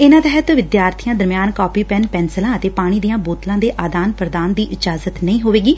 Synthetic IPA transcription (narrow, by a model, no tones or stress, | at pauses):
ɪnãːt̪ɛɦɛt̪ʋɪd̪jaːɾt̪ʰijãːd̪əɾmjaːnkɔːpiːpɛnpɛːnsəlãːət̪eːpaːɽ̃iːd̪ijãːboːt̪lãːd̪eːʔaːd̪aːnpɾəd̪aːnd̪iːʔɪd͡ʒaːzət̪nəĩːɦoːʋeːɡiː